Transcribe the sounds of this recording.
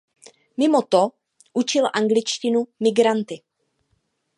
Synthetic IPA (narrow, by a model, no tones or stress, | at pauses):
mɪmo̞t̪o | ʔut͡ʃɪlʔaŋɡlɪt͡ʃcɪnumɪɡɾant̪ɪ